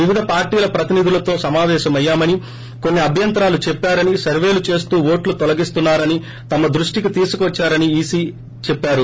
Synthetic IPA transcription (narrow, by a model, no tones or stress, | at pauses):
ʋiʋid̪ʱɐpaːɾʈiːlɐpɾɐt̪inid̪ʱulɐt̪o̞ːsɐmaːʋɛːʃɐmɐjːaːmɐni | ko̞nːiɐbʱjɐnt̪ɾaːlut͡ʃɛpːaːɾɐnisɐɾʋe̞ːlut͡ʃe̞ːs̬t̪uːʋoːʈlut̪ɔlɐɡist̪unːaːɾɐni | t̪ɐmɐd̪ɾuʂʈikit̪iːsu̥kuʋɐt͡ʃːaːɾɐniiːsiː | t͡ʃɛpːaːɾu